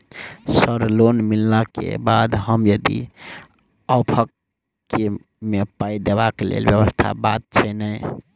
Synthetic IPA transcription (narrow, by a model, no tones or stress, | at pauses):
səɾlonmilːakḛbad̪ɦəmjəd̪ḭ | awpʰəkː | e | mepaid̪ebakelḛlbjəβəst̪ʰa̰bat̪̚t͡ʃʰɛnəj